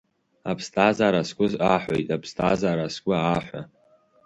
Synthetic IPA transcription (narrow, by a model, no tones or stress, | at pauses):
apʰstʰʼazaɾaskʷʼʊzaħʷo̰jtʼapʰstʰʼazaɾaskʷʼʊaħʷa̰